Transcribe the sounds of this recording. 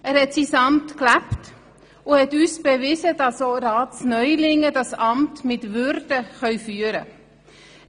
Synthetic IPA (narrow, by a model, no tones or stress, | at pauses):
æːɾhɛtsisɑmtklæpt | ʊhɛtyːsb̥evɪzədɑsoɾɑːtsnœʏlɪŋədɑsɑmtmɪtvʏɾd̥əχœʏfyːəɾə